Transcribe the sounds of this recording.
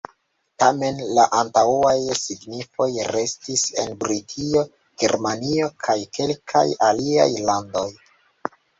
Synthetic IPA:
tame̞nlaʔantauajsiɡnifo̞jɾe̞stise̞̰nbɾitʰio̞ | ɡ̥eɾmanio̞kʰajke̞lkʰa̰jalia̰jlando̞j

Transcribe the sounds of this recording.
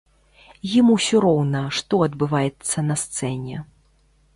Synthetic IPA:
jimuwsʲɔɾɔwnɐʂt̪ɔɐd̪bɨvajɛt̪sːɐnɐst̪sɛnʲɛ

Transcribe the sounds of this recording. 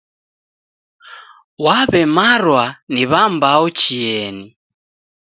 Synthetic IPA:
waβɛmaɾwaniβambaɔt͡ʃiɛni

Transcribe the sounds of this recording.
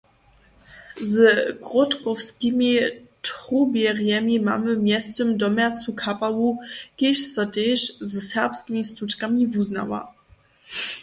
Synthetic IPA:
zɡʁɔtkɔfskʲimʲitʁubjɛʁjɛmʲima̰mɘmʲjɛstɘmdɔmjat͡sukʰapawukɪʃsɔteʃzɛsɛʁpskʲimʲist̪ut͡ʃkamʲivuzna̰wa̰

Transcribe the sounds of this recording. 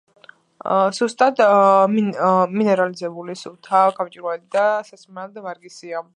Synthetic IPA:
zust̪ʼad̪miminɛɾalizɛbulisut̪ʰaɡamt͡ʃʼiɾɔɛd̪id̪asasminald̪ɛvaɾɡisia

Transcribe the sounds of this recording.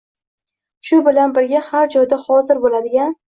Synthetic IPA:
ʃʊbɪlanbɪɾɡʲahaɾd͡ʒɒjd̪ahɒzɪɾbolad̪ɪɡʲan

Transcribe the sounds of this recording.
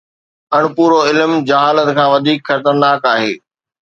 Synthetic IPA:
ɐɽ̃puːɾoɪlmd͡ʑɐɦaːlət̪kʰãːʋɐd̪ʱiːkxɐɾt̪əɾnaːkaːɦḛː

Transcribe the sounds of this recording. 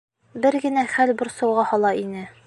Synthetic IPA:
bɘɾɡɘ̆næχælbŏɾsɑwʁɑhɒlˠɑinɘ

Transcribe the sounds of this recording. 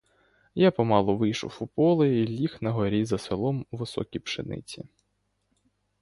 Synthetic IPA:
japɔmɑlˠɔʋɪjʃʊ̰wupɔlˠɪjilʲixnɐɦɔɾʲizɐsʋelˠɔmuʋɪsɔ̰kʲipʃɪnɪ̰t͡sʲḭ

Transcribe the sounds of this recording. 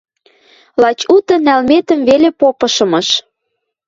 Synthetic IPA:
lɑt͡ɕut̪ə̆nælmet̪ə̆mvelepopɤ̆ʃɤ̆mɤ̆ʃ

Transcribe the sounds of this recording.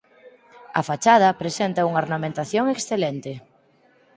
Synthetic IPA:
ɐ̰fat͡ʃað̞ɐpɾesent̪auŋaoɾnamẽnt̪aθjoŋeksθelɛnt̪e

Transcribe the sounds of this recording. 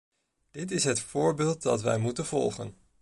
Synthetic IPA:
d̥ɪtɪsɦətfʊːɹbɪːlˠt̚dɑtʋɛ̰jmutənv̥ɔ̰lˠχən

